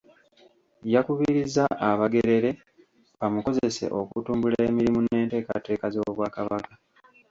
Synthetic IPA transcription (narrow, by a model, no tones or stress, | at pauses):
jakuβiɾizaʔːβaɡe̞ɾe̞ɾe̞ | βamuko̞ze̞se̞̰ʔo̞kṵtuːmbulaemiɾimune̞ːnte̞ːka̰te̞ːkazo̞ːβwaːkaβaka